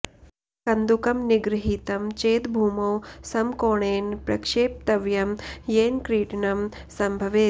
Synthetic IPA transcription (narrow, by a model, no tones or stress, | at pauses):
kɐnd̪ukɐmniɡɾɪɦiːt̪ɐmt͡ʃeːt̪bʱuːmoːsɐmkoːɳeːnpɾɐkʃeːp̚t̪ɐʋjɐmjeːnkɾiːʈnɐmsɐmbʱɐʋeː